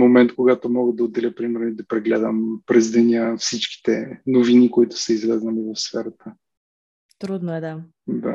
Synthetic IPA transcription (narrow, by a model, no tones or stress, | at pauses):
momɛnt̪koɡat̪omɔɡəd̪ɐod̪ɛlʲəpɾimɛɾnoid̪ɐpɾɛɡlɛd̪əmpɾɛzd̪ɛnʲəfsit͡ʃki̥t̪ɛnovinikoit̪ʊ̥sɛizlɛzəlɛvɐfsfɛɾət̪ə | t̪ɾud̪noɛd̪a | d̪a̰